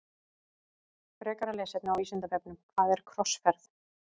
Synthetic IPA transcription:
fɾɛːkaɾalɛːsɛt̪nawiːsʏnt̪avɛp̚nʏmkʰvaðɛɾ̥kʰɾɔsfɛɾθ

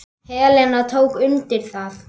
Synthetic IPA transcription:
hɛːlɛnat̪ʰoːwkʏnt̪ɪɾ̥θaθ

